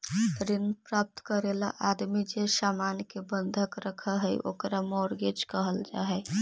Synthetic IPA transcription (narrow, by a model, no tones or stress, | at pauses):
ɾinpɾap̚t̪kəɾelaʔad̪mid͡ʒesamankebənd̪ʱəkɾəkʰəɦəjʔo̰kɾamɔɾɡed͡ʒkəɦəld͡ʒa̰ɦɛ